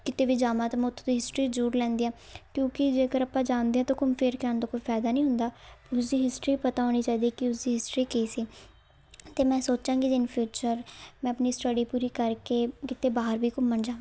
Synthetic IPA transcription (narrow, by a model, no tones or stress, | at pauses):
kɪt̪eːʋiːd͡ʒaːmaːt̪aːmɛ̃ʊt̪ʰːõːd̪iːɦɪsʈɾiːd͡ʒuːɾlɛ̃ːnd̪iːãː | kjõːkɪd͡ʒeːkəɾəpːãːd͡ʒaːnd̪eːɛ̃t̪õːkʊmpʰeɾkaːnt̪õːkoːiːpʰɛːd̪aːnĩːɦʊnd̪aːʊs̬d̪iːɦɪsʈɾiːpət̪aːɦoːniːt͡ʃaːiːd̪iːkɪʊs̬d̪iːɦɪsʈɾiːkeːsiː | t̪eːmɛ̃ːsoːt͡ʃãːɡid͡ʒɪnpʰjuːt͡ʃəɾmɛ̃ːəpniːsʈəɖiːpuːɾiːkəɾkeːkɪt̪eːbaːɦəɾbiːkʊmːənd͡ʒaːʋ